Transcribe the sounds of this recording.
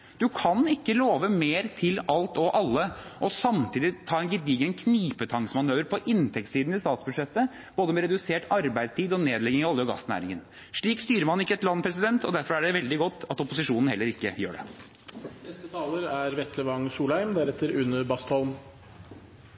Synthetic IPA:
d̪̥ʉkʰɑnɪkːəloːʋəmeːɾt̪ʰɪlɑlt̪ɔʔɑlːəʔɔsɑmt̪ʰiːd̪ɪt̪ʰɑːɛnɡɪd̪iːɡənkʰniːpət̪ʰɑŋsmɑnøːʋəɾpʰɔʔɪnt̪ʰɛk̚t̪siːd̪n̩ɪst̪ɑːt̪sbʉd̪ʂɛt̪ːə | b̥oːd̪əmɛɾɛd̪ʉseːʈɑɾbæɪst̪ʰiːd̪ɔneːd̪lɛɡɪŋɑɑlːəɔɡɑ̰snæ̰ːɾɪ̰ŋə̰n | ʂɭiːkst̪yːɾəɾmɑnɪkːəɛt̪lɑnːpʰɾɛs̬ɪd̪ɛnt̪ʰɔd̪æɾfɔɾæɖɛʋɛld̪ɪɡɔt̪ːɑt̪ɔpʊsɪʂuːnn̩hɛlːəɾɪkːə̰jø̰ːɖɛ̰ | nɛst̪ət̪ʰɑːləɾæɾʋɛt̪ʰləʋɑŋsuːlhæɪmd̪æɾɛt̪ːəɾʉnəbɑst̪ɔlm

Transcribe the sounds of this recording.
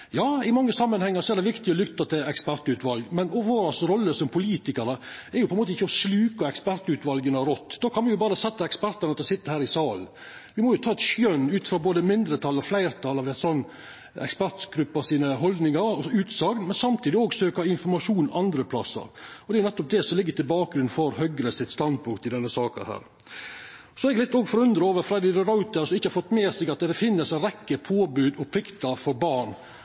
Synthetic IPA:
jɑːɪmɑŋːəsɑmːənhɛŋːɑɾsɔɛɾɖ̪ɛʋɪkt̪ɪɔlʏkt̪ːɑt̪ɪlɛkspæɾt̪ʉt̪ʋɑlɡmɛnɔʋoːɾɑsɾɔlːəsɔmpʰʊliːt̪ɪkɑɾəɛɾjʊpʰɔɛnmoːt̪əɪçːəɔslʉːkɑɛkspæɾt̪ʉːt̪ʋɑlɡənəɾɔt̪ːd̪oːkʰɑnʋɪjʊbɑːɾəsɛt̪ːəɛkspæɾt̪ɑnət̪ɪlsɪt̪ːəhæːɾɪsɑːln | ʋɪmɔjʊt̪ʰɑːɛt̪ʃjœnːʉːt̪fɾɑːboːd̪əmɪnd̪ɾət̪ʰɑlːɑflæɪɾt̪ʰɑlːɑʋɛt̪sɔnː | ɛ̰kspæɾt̪ɡ̥ɾʉpːɑsiːnəɦɔld̪nɪŋɑɾɔsɔʉːt̪sɑɡnmɛnsɑmt̪ʰiːd̪ɪoːɡsøːkɑɪnfɔɾmɑʂuːnʔɑnd̪ɾəpʰlɑ̰sːɑ̰ɾɔd̪ɛjʊnɛt̪ːɔp̚d̪ɛsɔmlɪɡːət̪ɪlbɑːk̚ɡɾʉnfɔɾhœɡɾəsɪt̪st̪ɑnd̪̚pʰʊŋkt̪ɪd̪ɛnːəsɑːkɑ̰hæ̰ːɾ | sɔɛɡlɪt̪ːoːɡfɔɾʉnd̪ɾəoːʋəɾfɾɑd̪ɪɾɾɑʉt̪əɾsɔmɪçːəhɑɾfɔt̪ːmeːsɛɡɑt̪̚ɛd̪ɛfɪnːəsɛɾɛkːəpʰoːbʉːd̪ɔpʰɾɪkt̪ɑfɔɾbɑɾɳ

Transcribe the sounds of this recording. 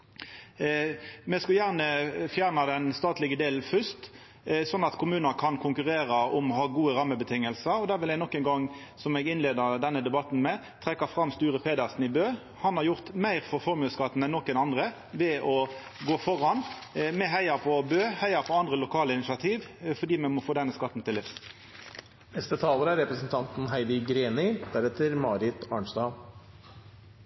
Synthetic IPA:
mɛskɑljæʁnəfjæːʁnɑd̪ɛnst̪ɑːt̪lɪɡəd̪eːln̩fʏst̪ | sɔnːɑt̪kʰʊmʉːnəkʰɑnkʰʊŋkʉʁeːɾɑɔmɔhɑːɡuːəɾɑmːəbət̪ʰɪŋːəlsəɾɔd̪æːʁʋɪlɛɡnɔkːɛŋɡɑŋsɔmɛɡɪnleːd̪əɾd̪ɛnːəd̪ɛbɑt̪n̩mɛ | t̪ʰʁɛkːəfʁɑmst̪yːʁəfʁeːd̪ɑsn̩ɪbøː | hɑnhɑʁjʊʁt̪mæɪʁfɔɾfɔɾmʉːskɑt̪ːn̩ɛnːɔkːɛnɑnd̪ɾə | ʋɛɔ | ɡoːfɔʁɑnmɛɦæɪɑpʰɔbøːhæɪɑpʰɔɑnd̪ʁəlʊkʰɑːləɪnɪsɑt̪ʰiːʋfɔɖiːmɛmɔfoːd̪ɛnːəskɑt̪ːn̩t̪ɪlːɪfs | nɛst̪ət̪ʰɑːləɾəæɾɛpɾəsn̩t̪ʰɑnt̪n̩ɦæɪd̪ɪɡɾeːnɪd̪̥æɾɛt̪əɾmɑːɾɪt̪ɑːɳʂd̪ɑː

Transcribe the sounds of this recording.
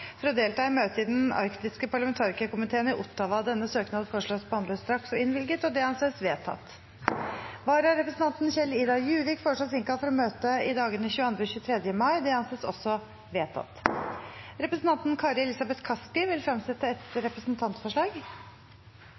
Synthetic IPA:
fɾɔd̪eːlt̪ɑːɪmøːt̪əɪd̪ɛnɑ̰ɾkt̪ɪskəpʰɑɭɑmɛnt̪ʰɑːɾɪkəkʊmɪt̪ʰeːənɪʔʊt̪ːɑʋɑd̪ɛnːəsøːknɑd̪fɔʂɭɑspɔhɑnb̪est̪ɾɑksɔɪnʋɪlɡət̪ɔd̪ɛhɑnsɛsʋeːt̪ʰɑ̰t̪ | ʋɑːɾhɑɾɛpɾəsnt̪ɑnt̪n̩çɛliːd̪ɑjʉːʋɪkfɔʂɭoːsɪŋkɑlfɔɾɔmøːt̪əɪd̪ɑːɡənəçʉːəɑnd̪ɾəçʉːt̪ʰɾɛd̪jəmɑɪd̪ɛhɑnsɛsɔ̰sːɔ | ʋeːt̪ʰɑ̰t̪ | ɾɛpɾəsn̩t̪ɑnt̪n̩kʰɑːɾɛlɪsɑbɛt̪kʰɑskɪʋɪlfɾɑmsɛt̪ːəɛt̪ɾɛpɾəsnt̪ʰɑnt̪fɔʂɭɑːɡ

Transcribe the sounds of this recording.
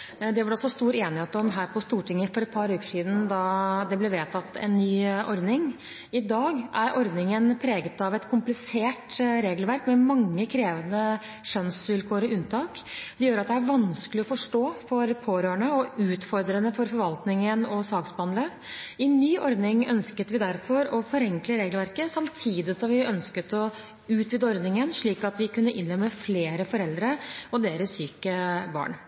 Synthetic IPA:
d̪ɛʋɑɖɛɑlsɔst̪uːɾeːnɪheːt̪ɔmɦæːɾpʰɔst̪uːʈʰɪŋːəfɔɾɛt̪̚pʰɑɾʉːkə̥ʂiːd̪n̩d̪ɑd̪ɛblɛʋeːt̪ʰɑt̪ːɛ̰nːyːʔɔɾd̪nɪŋ | ɪd̪ɑːɡʔæɾʔɔɾd̪nɪŋənpʰɾeːɡət̪ɑʋɛt̪kʰʊmplɪseːʈɾeːɡlʋæɾkmɛmɑŋːəkʰɾeːʋənə | ʃœnsʋɪlkʰoːɾɔʉnt̪ʰɑːkd̪jøːɾɑt̪̚d̪ɛæɾʋɑnskəlɪɔfɔʂʈoːfɔɾpʰoːɾøːəɳəɔʉːt̪fɔɾd̪ɾənəfɔɾfɔɾʋɑlt̪nɪŋənɔsɑːksbɑnlə | ɪnyːʔɔɾd̪nɪŋœnskət̪ʋɪd̪æɾfɔɾɔfɔɾɛŋkləɾeːɡlʋæɾkəsɑmt̪ʰiːd̪ɪsɔmʋɪœnskət̪ɔ | ʉːt̪ʋiːd̪əɔɾd̪nɪŋənʂɭiːkɑt̪ʋɪkʉnːəʔɪnɾɛmːəfleːɾəfɔɾɛld̪ɾəɔd̪eːɾəssyːkəbɑ̰ːɳ

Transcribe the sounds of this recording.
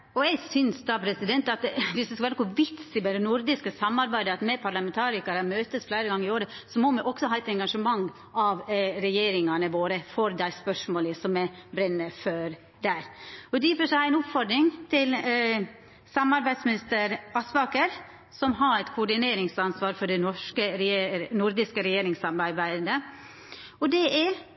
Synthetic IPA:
ɔɛɪɡsʏnsd̪ɑpʰɾɛsɪd̪ɛnt̪ɑt̪ʋɪsd̪ɪskɑʋæːɾəkʊʋɪt̪sɪmɛd̪ɛnʊɾd̪ɪskəsɑmːɑɾbæɪd̪əɑt̪mɛpʰɑɾlɑmɛnt̪ʰɑːɾɪkɑɾɑmøːt̪əsflæɪɾəɡɑŋːɪoːɾəsɔmɔmɛʔɔksɔhɑt̪ɛŋɡɑʂəmɑŋː | ɑʋɾɛjeːɾɪŋɑnəʋoːɾəfɔɾd̪æɪspœʂmoːləsɔmɛbɾɛnːəføːɾ | d̪æɾɔd̪ifəʂææɪnʊpfɔɾɖɾɪŋt̪ʰɪl | sɑmɑɾbæɪd̪smɪnɪst̪əɾɑsʋɑkəɾ | sɔmɦɑɾæt̪kʰʊɖɪneːɾɪŋsɑnsʋɑːɾfɔɖɛnɔʂkənʊɾd̪ɪskəɾɛjeːɾɪŋsɑɾmɑɾbæɪd̪ə | ɔd̪ɛʔɛ

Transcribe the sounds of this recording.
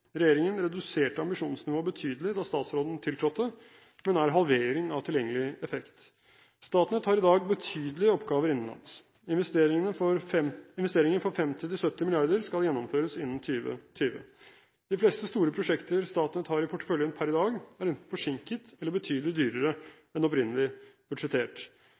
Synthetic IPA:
ɾɛjeːɾɪŋənɾɛd̪ʉseːʈəɑmbɪʂuːnsnɪʋoːbət̪ʰyːd̪əlɪd̪ɑst̪ɑːt̪sɾoːd̪n̩t̪ʰɪlt̪ʰɾɔt̪ːə | mɛnæɾɦɑlʋeːɾɪŋɑʋt̪ʰɪljɛŋːəlɪɛfɛkt̪ | st̪ɑːt̪nət̪hɑːɾɪd̪ɑːɡbət̪ʰyːd̪əlɪəɔpːɡɑːʋəɾɪnn̩lɑ̰ns | ɪənəɾɛɪnʋɛst̪eːɾɪŋənfɔɾfɛmt̪ɪt̪ɪlsœt̪ːɪmɪlɪɑɾd̪əɾskɑljɛnːɔmføːɾəsɪnːn̩t̪ʰyːʋə̰t̪ʰyːʋə̰ | d̪̥ɪflɛːst̪əst̪uːɾəpʰɾʊʂɛkt̪əɾst̪ɑːt̪nət̪hɑːɾɪpʰʊʈːə̥fœljənpʰæɾɪd̪ɑːɡæɾɛnt̪n̩fɔʂɪŋkət̪ɛlːəbət̪ʰyːd̪əlɪd̪yːɾəɾə | ɛnɔpɾɪnːəlɪb̥ʉd̪ʂɛt̪ʰeːʈ

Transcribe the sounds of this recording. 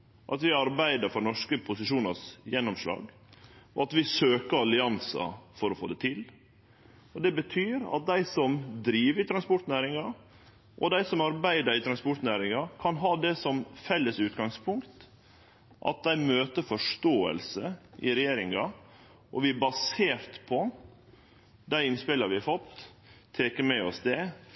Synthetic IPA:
ʔɑ̰t̪ʋɪɑɾbæɪd̪əɾfɔɾnɔʂkəpʰʊsɪʂuːnɑsjɛnːɔmʂlɑ̰ːɡ | ɔɑt̪ʋɪsøːkəɾɑlɪɑnsɑ̰fɔɾɔfoːd̪ɛt̪ʰɪl | ɔd̪ɛbət̪ʰyːɾɑ̰t̪̚d̪æɪsɔmd̪ɾiːʋəɾɪt̪ʰɾɑnspɔʈnæːɾɪŋɑ | ʔɔ̰d̪æɪsɔmɑɾbæɪd̪əɾɪt̪ʰɾɑnspɔʈnæːɾɪŋɑkʰɑnɦɑːd̪ɛsɔmfɛlːəsʉːt̪ɡɑŋspʰʊŋkt̪ | ʔɑ̰t̪̚d̪æɪmøːt̪əfɔʂʈoːə̰lsəʔɪ̰ɾɛjeːɾɪŋɑ | ʔɔʋɪbɑseːɾt̪pʰɔ | d̪æɪɪnspɪlɑɾʋɪɑɾfɔt̪ʰː | eːkəɾmɛɔsd̪ɛ

